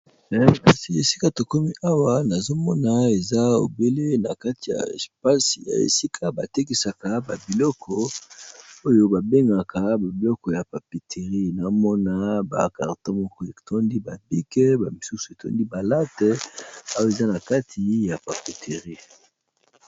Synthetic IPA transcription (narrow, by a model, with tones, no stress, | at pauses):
ɛ˨ka˨si˨e˨si˦ka˦to˨ko˦mi˦ʔa˦wa˦na˨zo˦mɔ˦na˨e˨za˦o̰˨be˦le˦na˨ka˦ti˨ja̰˨spa˦si˨ja̰˨ḛ˨si˦kʰa˦ba˨te˦ki˨sa˨ka˦ba˨bi˨lɔ˦kʰɔ˦ | o˦jo˦ba˨be˦ŋɡa˨ka˦ba˨bi˨lɔ˦kɔ˨ja˨pa˨pi˨tʰe˨ʁi˦na˨o˦mɔ˦na˦ba̰˨ka̰˨ʁto˦mɔ˦kɔ˦e˨tʰɔ˦ndi˦ba˨bi˦kɛ˦ba˨mi˨su˦su˨e˨tɔ̰˦ndi˦ba˨la˦tɛ˦a˦wo˦e˨za˦na˨ka˦tʰi˨˦ja˨pa˨pi˨tʰe˨ʁi˦